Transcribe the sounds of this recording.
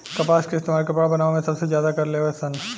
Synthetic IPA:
kɐpaːskeɪst̪eːmaːɾkɐpɽabɐnaːʋomẽsɐbsezjaːd̪akɐɾleːoɦɛsɐn

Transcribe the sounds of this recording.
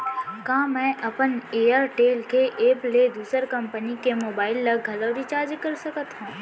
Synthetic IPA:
kãːmɛ̃ːʔɐpəneːaɾʈeːlkeʔeːpled̪uːsəɾkɐ̃mpənikemoːbaːɪlːɐɡʱɐləʋɾit͡ʃaːɾd͡ʒkɐɾsɐkət̪ɦũː

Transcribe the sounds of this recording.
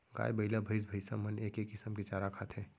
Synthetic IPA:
ɡa̰ːjbɐɪlabʱɐɪs̬bʱəɪsamɐneːkeːkːɪsəmket͡ʃaːɾakʰaːt̪ʰɦɛ̃ː

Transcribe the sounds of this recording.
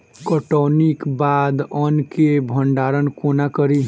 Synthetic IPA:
kɔʈonikbad̪ənkebʱəɳɖaːɾənkonakəɾi

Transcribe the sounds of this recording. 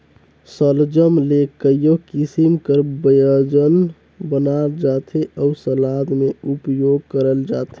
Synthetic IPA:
səld͡ʒəmlekəjjokisimkəɾbəjəd͡ʒən | bənald͡ʒat̪eʔɔusəlad̪meupjoɡ̚kəɾəld͡ʒat̪e

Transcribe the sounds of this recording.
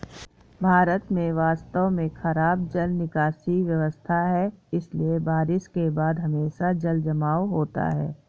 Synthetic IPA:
bʱaːɾət̪mẽʋaːst̪omẽxɐɾaːb̚d͡ʒɐlnɪkaːsiʋjɐʋəst̪ʰaɦɛɪsliebaːɾɪʃkebaːd̪ɦɐmeːʃad͡ʒɐld͡ʒɐmaːwɦoːt̪a̰ɦɛ̰ː

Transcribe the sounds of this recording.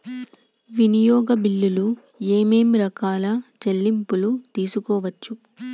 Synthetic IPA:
ʋinijɔːɡɐbilːulu | eːme̞ːmɾɐkaːlɐt͡ʃelːimpulut̪iːsukɔːʋɐt͡ʃːu

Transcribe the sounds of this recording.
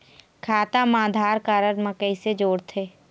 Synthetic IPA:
kʰaːt̪amãːd̪ʱaːɾkaːɾənməkəised͡ʒoːɽt̪ʰeː

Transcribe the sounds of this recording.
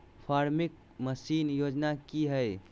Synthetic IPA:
pʰaɾmik̚ | məsinjod͡ʒnakiɦəj

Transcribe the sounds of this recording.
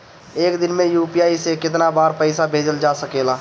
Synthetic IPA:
eːkd̪ɪnmẽjuːpijaːisekɪt̪nabaːɾpəɪsabʱeːd͡ʒəld͡ʒasəkela

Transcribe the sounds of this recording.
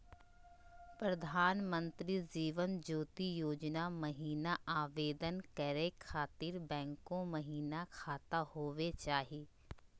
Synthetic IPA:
pɾɐd̪ʱaːnmə̃nt̪ɾid͡ʒiːʋənd͡ʒoːt̪ijoːd͡ʒnamɐɦiːnaʔaːʋeːd̪ənkəɾekʰaːt̪iːɾbɛ̃ːŋkõmɐɦiːnakʰaːt̪ahoːʋet͡ʃaːɦieː

